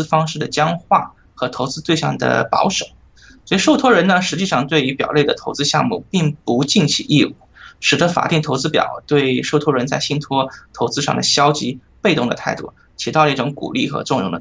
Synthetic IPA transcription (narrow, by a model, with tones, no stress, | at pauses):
fɑ˥ŋʂɻ̩˥˩d̪ə˩t͡ɕjɑ˥ŋxwa˥˩ | xɤ˧˥t̪ʰo˧˥ʊt͡sɹ̩˥t̪we˥˧ɪʂɑ̰˥˩ŋd̪ə̰˩pɑ̰˧˥ʊʂo˨˩˦ | swɔ˧˥i˨˩ʂo˥˩ʊt̪ʰwɔ˥ɻə˧˥nnə˧ʂɻ̩˧˥t͡ɕi˥˧ʂɑ˥˧ŋt̪we˥˩ɪy˧˥pjɑ˨˩le˥˩ɪd̪ə˩t̪ʰo˧˥ʊt͡sɹ̩˥ɕjɑ̰˥˧ŋmṵ˥˩pi˥˩ŋpu˧˥t͡ɕi˥˩nt͡ɕʰḭ˧˩ʔi˥˧ṵ˥˩ʂɻ̩˨˩d̪ə˧˥fa̰˨˩t̪i˥˩ŋt̪ʰo˧˥ʊt͡sɹ̩˥pjɑ̰˨˩ʊt̪we˥˧ɪʂo˥˩ʊt̪ʰwɔ˥ɻə˧˥nt͡sa˥˧ɪɕi˥nt̪ʰwɔ˥t̪ʰo˧˥ʊt͡sɹ̩˥ʂɑ̰˥˩ŋd̪ə̰˩ɕjɑ˥ʊt͡ɕi˧˥pe˥˧ɪt̪ʊ˥˩ŋd̪ə̰˩t̪ʰa˥˧ɪt̪ṵ˥˩ | t͡ɕʰi˧˥t̪ɑ˥˧˥ʈ͡ʂʊ˧˥ŋkṵ˨˩li˥˩xɤ̰˧˥ʈ͡ʂʊ˥˧ŋɻʊ̰˥˩ŋd̪ə̰˧